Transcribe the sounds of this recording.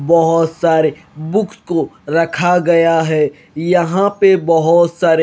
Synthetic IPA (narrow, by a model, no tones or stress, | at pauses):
bɔɦʊt̪saːɾe | bʊkʰskoɾɐkʰaɡɐjaɦɛː | jɐɦãpebɐɦʊt̪saːɾe